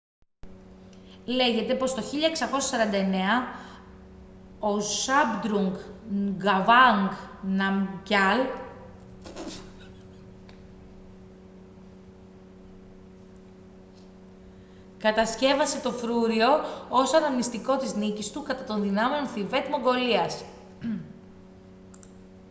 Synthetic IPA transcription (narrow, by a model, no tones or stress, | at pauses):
le̞ʝe̞t̪e̞po̞st̪o̞çiʎɐe̞ksɐko̞sɐsɐɾɐnd̪ɐe̞ne̞ɐ | o̞sɐbd̪ɾuŋɡɡɐvɐŋɡnɐmɟɐl | kɐt̪ɐsce̞vɐse̞t̪o̞fɾuɾio̞osɐnɐmnist̪iko̞t̪iznicist̪ukɐt̪ɐt̪o̞nðinɐmeonθive̞t̪mo̞ŋɡo̞liɐs